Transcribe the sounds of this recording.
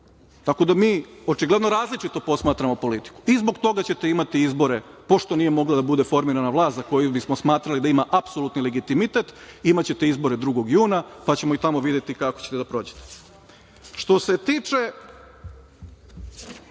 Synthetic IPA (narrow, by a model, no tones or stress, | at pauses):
t̪ako̞d̪amiːo̞t͡ʃiɡlˠe̞d̪noɾaːzlit͡ʃit̪o̞po̞smaːt̪ɾamo̞po̞lit̪i̥ku̥izbo̞kt̪o̞ɡat͡ɕe̞t̪e̞imat̪iizbo̞ɾe̞po̞ʃt̪o̞nije̞mo̞ɡlad̪abud̪e̞fo̞ɾmiɾanaʋlˠaːst̪zako̞jubismosmaːt̪ɾalid̪aimaʔapsolut̪nileɡit̪imit̪et̪imat͡ɕe̞t̪e̞izbo̞ɾe̞d̪ɾuɡo̞ɡjuːnapat͡ɕe̞moit̪amo̞ʋid̪jet̪ikakot͡ɕet̪ed̪apɾo̞ːd͡ʑe̥t̪e | ʃt̪o̞se̞t̪iːt͡ʂe̞